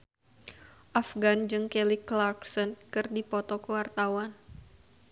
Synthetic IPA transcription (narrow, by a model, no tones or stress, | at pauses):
ʔafɡand͡ʒɨŋkɛliklarksənkɨrdipɔt̪ɔkəwart̪awan